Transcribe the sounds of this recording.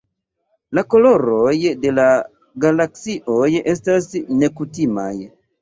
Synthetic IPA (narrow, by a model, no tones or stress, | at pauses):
lakoloɾojde̞la | ɡalaksiʔojestasne̞kutima̰j